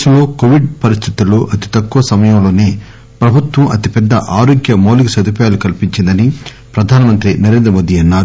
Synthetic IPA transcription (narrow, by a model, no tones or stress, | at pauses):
ɐmlo̞ːkoʋiɖ̚pɐɾist̪ʰit̪uluʔɐt̪i̥t̪ɐkːuʋɐsɐmɐjɐmlo̞ːne̞ː | pɾɐbʱut̪ʋɐmɐt̪ipɛd̪ːɐ̰ʔaːɾoːɡjɐmoːlikusɐd̪ʱupɐjaːlukɐlipiɲt͡ʃind̪ɐni | pɾɐd̪ʱaːnɐmɐnt̪ɾinɐɾeːnd̪ɾɐmoːd̪iɐnːaːɾu